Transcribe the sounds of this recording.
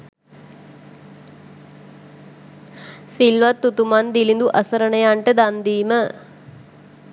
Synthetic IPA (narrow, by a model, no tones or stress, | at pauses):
silʋat̪ːut̪umand̪ilind̪uʔəsəɾənəjaɳʈəd̪and̪iːmə